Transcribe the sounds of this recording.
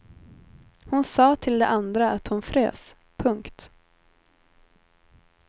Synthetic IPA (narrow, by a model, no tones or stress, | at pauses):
hʊnsɑːt̪ʰɪld̪ɛ̰ʔand̪ɾaat̪hʊnfɾḛːs | pʰɵŋkt̪